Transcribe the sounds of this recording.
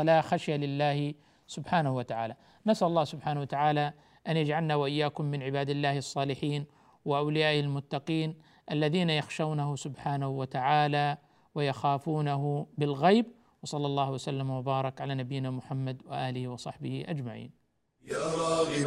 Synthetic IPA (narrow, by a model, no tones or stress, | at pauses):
alaxaʃjalɪlːaːh | sʊbħaːnahuwat̪aʕa̰ːla | nasʔalɑlˤːɑːhsʊbħaːnawat̪aʕaːla | ʔanjad͡ʒʕalnawaʔɪjːaːkʊmːɪnʕɪbaːd̪ɪlːaːhɑsˤːɑːlɪħiːn | wɪʔawlɪjaːʔhɪlmʊt̪ːɑqiːn | ʔalːaðiːnajaxʃawnahʊsʊbħaːnahʊwat̪aʕaːla | wɪjaxaːfuːnaɦʊbɪlɣajb | wɑsˤɑlːɑlˤːɑːhwasalːamwabɑːɾˤɑkʕalaːnabɪjːnaːmʊħamːad̪wɪʔaːlɪhiwɑsˤɑħbɪhiʔad͡ʒmaʕḭːn